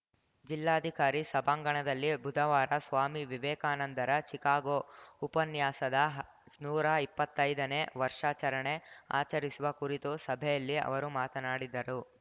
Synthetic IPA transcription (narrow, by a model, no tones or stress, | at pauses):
d͡ʒilːaːɐd̪ʱikaːɾisɐbaːŋɡɐɳɐd̪ɐlːibʱud̪ʱɐʋaːɾɐsʋaːmiʋiʋɛːkaːnɐnd̪ɐɾɐt͡ʃikaːɡoupɐnjaːsɐd̪ɐɦ | nuːɾɐipːɐt̪ːɐjd̪ɐneʋɐɾʂaːt͡ʃɐɾɐɳea̰ːt͡ʃɐɾisuʋɐkuɾit̪usɐbʱɛjɐlːiɐ̰ʋɐɾumaːt̪ɐnaːɽid̪ːɐɾu